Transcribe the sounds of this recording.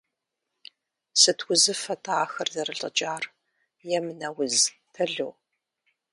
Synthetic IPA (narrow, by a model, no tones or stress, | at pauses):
sɨtʰwʷʊzɨfɐtʰaːxɐrzɐrɨɬʼət͡ʃʼaːr | jɛmɨnɐwʊztʰɐɮɨw